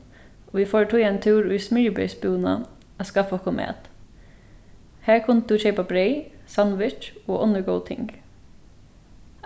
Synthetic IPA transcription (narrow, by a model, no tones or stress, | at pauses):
oːʋiːfoːɹʈʰuɛnt̪ʰʉːɾʉːsmʏːbœ̰ʏsbɪuːnɑ̰ | oːskɑfɔkʰʊmʔḛːt̪ | hæːkʰʊnt̪̚d̪ʉːʃeɪpɑbɾeɪsɑnʋɪʈoːʔɔnəɡoʊt̪ʰɪ̰ŋɡ